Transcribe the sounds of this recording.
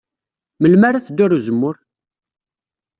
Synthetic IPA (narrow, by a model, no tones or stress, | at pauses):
məlmaɾaθd̪ːʊɾuzəmːʊɾ